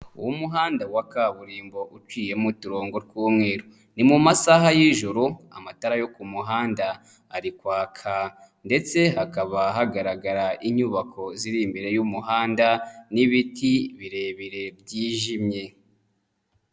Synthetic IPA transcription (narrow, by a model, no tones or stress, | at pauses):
ṵwumuɦaːndawakaβuɾiːmbo̞ʔut͡ʃwiːje̞mutuɾo̞ːŋɡo̞ɾɡuːmŋe̞ːɾo | nimumasaɦajiʒuɾua̰mataɾajo̞kumuɦaːndaː | ɾikwaːkʰa | nde̞t͡se̞hakaβaɦaɡaɾaɡaɾaʔiɲuβakʰo̞ziɾimbe̞ɾe̞jumuɦaːndaniβitiβiɾe̞βiɾe̞bjiːʒimɲe̞